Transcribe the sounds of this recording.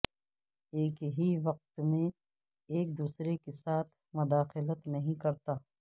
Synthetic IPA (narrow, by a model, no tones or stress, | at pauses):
eːkɦiʋɐq̚t̪mẽ | eːk̚d̪uːsɾekesaːt̪ʰ | mʊd̪aːxɪlət̪nɐɦĩkɐɾt̪aː